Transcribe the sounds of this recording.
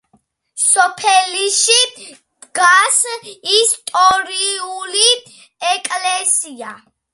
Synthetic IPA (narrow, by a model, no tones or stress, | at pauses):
sɔpʰɛliʃi | d̪̥ɡasist̪ʼɔɾiuli | ɛkʼlɛsia